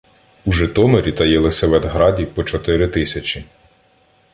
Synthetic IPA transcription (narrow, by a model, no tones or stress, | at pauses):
uʒɛt̪ɔmeɾʲit̪ɐjɛlˠɪsʲɐʋɛd̪ɦɾɑdʲipɔt͡ʃɔt̪ɪɾɪt̪ɪsʲɐt͡ʃʲi